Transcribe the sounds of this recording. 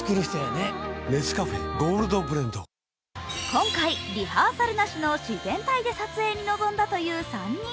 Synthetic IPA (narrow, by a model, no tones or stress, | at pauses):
kɯɾɯseːneme̞sɨ̥kaɸeɡo̞ːɾɯ̟d̪o̞bɯ̟ɾẽnd̪o̰ | kõ̞ŋkaiɾʲihaːsaɾɯ̟naɕino̞ɕizẽ̞nt̪aid̪e̞sat͡sɨe̞ːɲ̟ino̞zõ̞nd̪at̪o̞jɯ̟ːsãɲ